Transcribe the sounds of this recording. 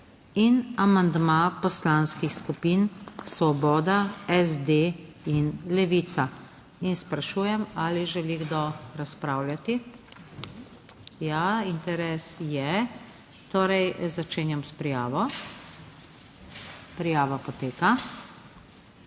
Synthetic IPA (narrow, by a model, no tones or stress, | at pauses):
inamand̪mapɔslanskixskupinsʋɔbɔːd̪aɛzd̪einlɛʋit̪sa | inspɾaʃuːjɛmaliʒɛliɣɡd̪oɾaspɾaːwljat̪i | jaint̪ɛɾɛsjɛ | t̪oːɾɛjzat͡ʃeːnjamspɾijaːʋɔ | pɾijaːʋapɔt̪eːka